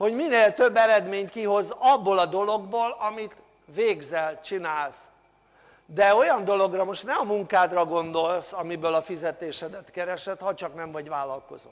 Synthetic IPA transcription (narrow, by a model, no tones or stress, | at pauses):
ho̞ɟmineːlt̪ø̞bːɛɾɛd̪meːɲkiɦo̞zɒbːolɒd̪o̞lo̞ɡboːlɒmit̪ | ʋeːɡzɛlt͡ʃinaːls | d̪ɛo̞jɒnd̪o̞lo̞ɡrɒmo̞ʃt̪nɛmɒmuŋkaːd̪rɒɡo̞nd̪o̞lsɒmibøːlɒfizɛt̪eːʃɛd̪ɛt̪kɛɾɛʃɛt̪hɒt͡ʃɒknɛɱvɒɟvaːlːɒlko̞̰zot̪ː